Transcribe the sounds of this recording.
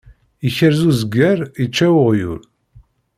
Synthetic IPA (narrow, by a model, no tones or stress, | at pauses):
içəɾzuzəɡːæɾit͡ʃːæwʊʁjṵl